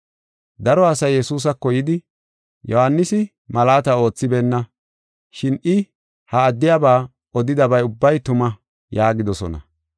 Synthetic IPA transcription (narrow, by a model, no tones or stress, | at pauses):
d̪ɐɾɔɐsɐjːɛsuːs̬ɐkːɔjɪd̪ɪ | jɔhanːɪsɪ | mɐlaːt̪ɐo̞ːt͡sːɪbɛnːɐ | ʃɪnɪ | hɐːd̪ːɪjabaː | ɔd̪ɪd̪ɐbɐjʊbːɐjt̪ʊmɐ | jaːɡɪd̪ɔsɔ̰nɐ̰